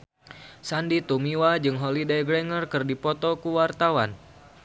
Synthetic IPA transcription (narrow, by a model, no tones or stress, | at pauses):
sandit̪umiwad͡ʒɨŋɦolidajɡɾɛŋərkɨrdipɔt̪ɔkuwart̪awan